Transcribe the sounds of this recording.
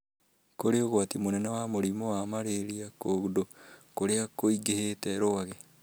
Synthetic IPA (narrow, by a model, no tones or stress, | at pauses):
koɾeoɣwatimonɛnawamoɾimɔwamaɾeɾiakoɣudokoɾeakoiɡehetɛɾoaɣɛ